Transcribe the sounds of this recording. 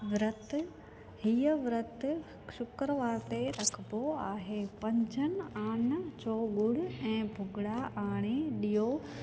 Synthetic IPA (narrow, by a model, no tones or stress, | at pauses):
ʋɾət̪ | hijəʋɪɾət̪ | ʃʊkɾəʋaːɾt̪eɾɐkʰboaːɦepɐ̃ɲd͡ʑʱənaːɳt͡ɕoːɡʊɽ̤ɪɛ̃ːbʱʊɡɽaʔaːɽ̃eɗijoː